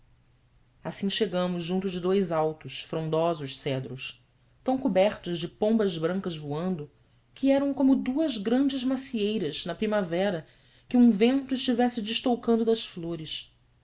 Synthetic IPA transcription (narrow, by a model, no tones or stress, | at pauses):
asĩʃeɡɐ̃mʊzʒũnt̪ʊd͡ʒɪd̪ojzawt̪ʊsfɾõnd̪ɔzʊʃsɛd̪ɾʊs | t̪ɐ̃w̃kubɛɾt̪ʊzd͡ʒɪpõmbɐzbɾɐ̃ŋkɐzvuɐ̃nd̪ʊ | kʰɪɛɾɐ̃w̃kõmʊd̪uɐzɡɾɐ̃nd͡ʒɪzmasiejɾɐznɐpɾimavɛɾɐ | kɪũvẽnt̪ʊɪʃt͡ʃivɛsɪd͡ʒɪʃt̪owkɐ̃nd̪ʊd̪ɐsfloɾɪs